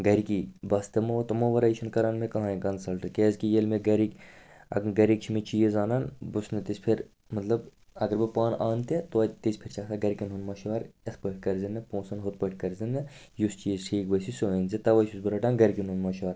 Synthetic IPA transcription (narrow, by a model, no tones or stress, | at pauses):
ɡɐɾikibɐst̪ɐmoʋt̪ɐmoʋɐɾɐjʃʰɐnkɐɾanmekɐɦãːiɡɐnsɐlʈɨkeːzkijelmeɡɐɾikʲ | ɐ̰ɡɐɾik̚t͡ʃʰimet͡ʃiːjzaːnɐnbusnɨt̪isʲpʰiɾ | mɐt̪lɐb | ɐɡəɐɾbɨpaːnaːnt̪et̪ot̪isʲpʰiɾt͡ʃʰɐksʰaɡɐɾikʲinɦunmɐʃʋɐɾespəʈʰʲkɐɾzʲinːɐpõːsɐnɦot̪̚pəʈʰkɐɾzʲɐnːɐ | just͡ʃiːzʈʰiːkbɐsisoenzet̪ɐʋɐsusbɨɾɐʈaːnɡɐɾʲikʲinɦunmɐːʃʋaːɾ